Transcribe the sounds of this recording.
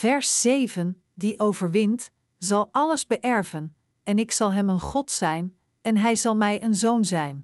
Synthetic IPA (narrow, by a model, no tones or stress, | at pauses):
v̥ɛɹsːejvən | diʔowvəɹʋɪnt | zɑlˠʔɑləzbəʔɛɹvən | ɛnɪksɑlˠɦɛmənχɔtsɛjn | ɛnɦɛjzɑlˠmɛjʔənzownzɛjn